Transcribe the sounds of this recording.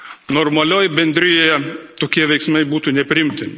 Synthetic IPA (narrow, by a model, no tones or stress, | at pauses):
noːrmɐlʲoːjɪbʲɛnʲd̪ʲɾʲɪjoːjɛt̪oːkʲiɛʋʲɛɪksmɐɪbuːt̪uːnʲɛpʲɾʲɪɪmʲt̪ʲɪmʲɪ